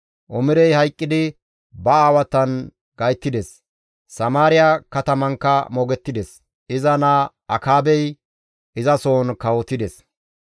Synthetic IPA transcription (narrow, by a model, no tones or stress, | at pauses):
ʔɔmɪɾɛjhɐjkʼːɪd̪ɪ | bɐaːwɐt̪ːɐn | ɡɐjt̪ːɪd̪ɛs | sɐmaːɾɪjakɐt̪ɐmɐŋkːɐmɔɡɛt̪ːɪd̪ɛs | ɪzɐnaː | ɐkaːbɛj | ʔɪzɐso̞ːnkɐwɔt̪ːɪd̪ɛs